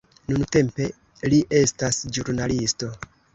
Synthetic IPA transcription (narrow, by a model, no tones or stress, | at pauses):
nunte̞mpe̞ | liʔe̞stasd͡ʒuɾnalisto̞